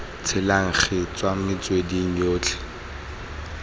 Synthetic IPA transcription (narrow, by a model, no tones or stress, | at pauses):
t͡sʰɪlaŋ̩χɪt͡swamɪt͡swediŋ̩joːt͡ɬʰɛ̥